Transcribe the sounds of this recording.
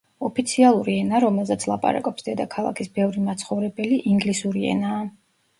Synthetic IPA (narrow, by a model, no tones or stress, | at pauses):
ɔpʰit̪sʰialˠuɾiɛnaɾɔmɛlˠzɛt̪sʰlˠapʼa̰ɾa̰kʼɔpsd̪ɛd̪akʰalˠa̰kʰisbɛvɾimat̪sʰχɔvɾɛbɛliʔiŋɡlisuɾiɛ̰naː